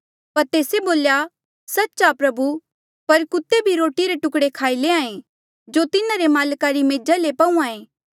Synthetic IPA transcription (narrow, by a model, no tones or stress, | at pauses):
pɐɾt̪eːseboːlja | sɐtːʃapɾɐbu | pɐɾkʊt̪ːebʱiɾoːʈiɾeʈʊkɽekʰaːileãːẽ | d͡ʒot̪ɪnaɾemaːlkaɾimeːd͡ʒalepɐũãːẽː